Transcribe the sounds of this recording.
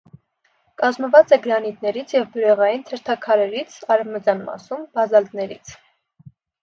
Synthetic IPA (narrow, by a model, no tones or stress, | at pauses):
kɑzməvɑt͡sɛɡəɾɑnit̪nɛɾit͡sʰjɛvbuɾɛʁɑjint̪ʰəɾt̪ʰɑkʰɑɾɛɾit͡sʰɑɾɛvmət͡sjɑnmɑ̰sumbɑzɑld̪nɛɾḭt͡sʰ